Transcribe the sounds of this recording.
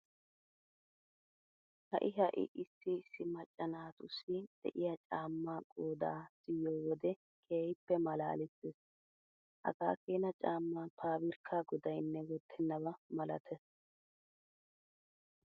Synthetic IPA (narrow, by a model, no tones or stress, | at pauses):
hɐ̰ʔɪɦɐʔɪ̰ʔɪsːɪsːɪmɐt͡ʃʼːɐnaːt̪ʊsːɪd̪̥ɛ̰ʔɪjɐt͡ʃʼaːmːaːkʼoːd̪a̰ːsɪjoːwɔd̪ɛ | kʰeːjpːɛmɐla̰ːlɪt̪ːes | hɐ̰ɡaːkeːnɐt͡ʃʼaːmːaːpʰaːbɪɾkʰːaːɡɔd̪ɐjnːɛwɔt̪ʰːɛnːɐβɐmɐlɐ̰t̪ʰɛs